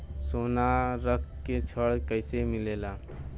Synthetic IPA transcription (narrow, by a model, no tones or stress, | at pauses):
sonaɾəkʰket͡ʃʰəɽkəɪsemilela